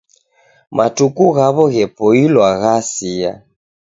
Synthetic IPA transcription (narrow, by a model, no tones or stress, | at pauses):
mʔatukuɣaβɔɣɛpɔilwaɣasia̰